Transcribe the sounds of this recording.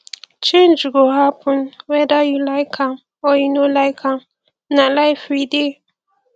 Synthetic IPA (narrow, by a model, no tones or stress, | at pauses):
t͡ʃʰẽnd͡ʒuɡoɦapʰʊ̃nwɛdajulaɪkʰan | ɔjinolaɪkʰa | nãlaɪfɾide